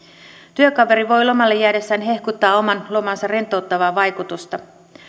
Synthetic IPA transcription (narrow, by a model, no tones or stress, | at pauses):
t̪yøkɑʋe̞ɾiʋo̞jlo̞mɑlːejæːde̞sːæːnɦe̞hkut̪ːɑːo̞mɑnlo̞mɑnsɑre̞nt̪ːˑo̞wt̪ːɑʋɑːʋɑjkut̪ust̪ɑ